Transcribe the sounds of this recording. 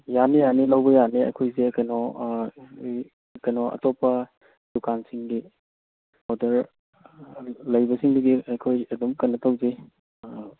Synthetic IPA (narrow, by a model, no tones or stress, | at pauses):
janijanilawbɐjaniɐ̰jkʰojzekɐjnɔ | kɐjnɔɐ̰tɔpːɐ | d̥ukansiŋɡi | mɔdɐɾ | lɐjbɐsiŋdɐɡiɐjkʰojɐdumkɐnːɐtawzi